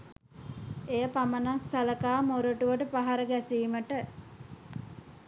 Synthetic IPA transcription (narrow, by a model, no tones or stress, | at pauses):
ejəpamənat̪saləkaːmoɾoʈuʋəʈəpaɦaɾəɡæsiːməʈə